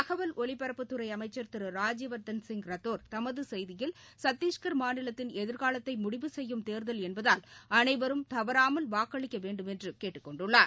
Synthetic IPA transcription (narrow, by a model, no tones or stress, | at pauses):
ɐɣɐʋɐlɔɭɪpːɐɾɐpːɯt̪ːɯɾɐɪɐmɐɪt͡ʃːɐɾt̪ɪɾɯɾaːd͡ʒɪʋɐɾt̪ɐnsɪŋɡɾɐt̪ːoːɾt̪ɐmɐðɯsɛjðɪjɪlsɐt̪ːiːʂkɐɾmaːnɪlɐt̪ːɪnɛðɪɾɣaːlɐt̪ːɐɪmʊɽɪʋɯsɛjːɯmt̪eːɾðɐlɛnbɐðaːlɐnɐɪʋɐɾɯmt̪ɐʋɐɾaːmɐlʋaːkːɐɭɪkʲːɐʋeːɳɖɯmɛndrɯkeːʈːɯkːɔɳɖɯɭːaːɾ